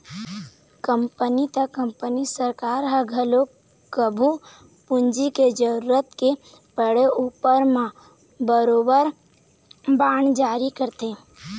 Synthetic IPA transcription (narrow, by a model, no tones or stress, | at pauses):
kəmpənit̪əkəmpənisəɾkaːɾɦəɡʱəlo | kəbʱu | pʊnd͡ʒiked͡ʒəɾuːɾət̪ke | pəɽeʔuːpəɾmã | bəɾoːbəɾ | baːɳd͡ʒaːɾikəɾt̪ẽː